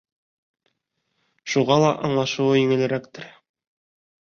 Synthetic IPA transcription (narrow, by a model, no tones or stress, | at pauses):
ʃuʁɑlˠɑʔɑɴlˠɑʃɤ̆wɤjɘ̆ŋɘ̆lɘ̆ɾækt̪ɘɾ